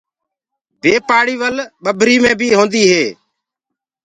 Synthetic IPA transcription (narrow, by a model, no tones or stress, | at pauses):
beːpaːɽiːʋəlɓəbʱɾiːmẽːbʱiːɦõːnd̪iːɦeː